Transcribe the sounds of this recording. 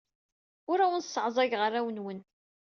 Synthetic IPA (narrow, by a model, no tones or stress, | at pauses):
ʊɾæwənsːəʕzˤɑʝʁərːæwənwən